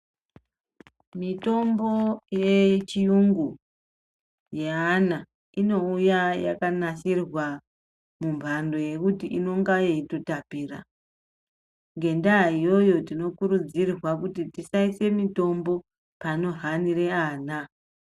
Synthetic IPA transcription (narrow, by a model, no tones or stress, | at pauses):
mito̞mbo̞jet͡ʃijuŋɡu | jeana | ino̞ujaja̰kanaʃirwa | mumbʱando̞je̞kutiʔino̞ŋɡajeitotapiːra̰ | ŋɡe̞ndaijo̞jo̞tino̞kuɾud͡zirrwak̬utitisaise̞mito̞mbo̞ | pano̞ɦanireaːna